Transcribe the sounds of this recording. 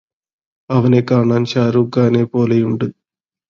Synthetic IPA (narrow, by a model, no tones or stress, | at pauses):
ɐʋɐneːkaːɳɐnt͡ʃaːɾuɡaːneːpoːlɐjuɳɖu